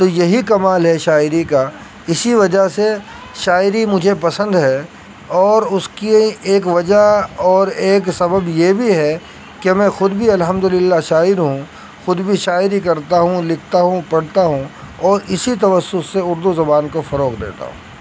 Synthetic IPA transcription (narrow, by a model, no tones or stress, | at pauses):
t̪ojɐɦikɐmaːlɦɛʃaːɪɾika | ɪsiʋɐd͡ʒase | ʃaːɪɾimʊd͡ʒʱepɐsə̃nd̪ɦɛ | ɔːɾʊskieːk̬ʋɐd͡ʒaɔːɾeːksɐbəbjebʱiɦɛ | kemɛ̃xʊd̪bʱiɐlɦə̃md̪ʊlɪlːaʃaːɪɾɦũ | xʊd̪bʱiʃaːɪɾik̬ɐɾt̪aɦũlɪkʰt̪aɦũpɐɽt̪aɦũ | ɔːɾɪsit̪ɐʋəsːʊseʊɾd̪uzɐbaːnkofɐɾoːqd̪ḛːt̪a̰ɦṵ̃ː